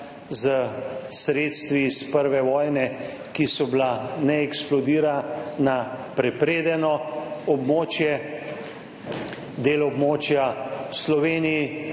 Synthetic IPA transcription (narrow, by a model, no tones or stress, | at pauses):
zəsɾeːt̪st̪ʋispəɾʋɛʋɔːjnɛ | kisɔblanɛɛksplɔd̪iːɾana | pɾɛpɾeːd̪ɛnɔɔbmoːt͡ʃjɛ | d̪eːlɔbmoːt͡ʃjawslɔʋeːniji